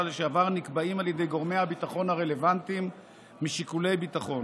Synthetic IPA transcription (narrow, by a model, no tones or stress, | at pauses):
lʃeavaʁnikbaimaljed̪e̞jɡo̞ʁme̞jhabit̪aχo̞nhaʁe̞le̞vant̪imː | iʃikule̞jbit̪aχo̞n